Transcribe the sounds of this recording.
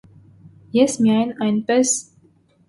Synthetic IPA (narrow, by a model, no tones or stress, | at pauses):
jɛsmijɑjnɑjnpɛs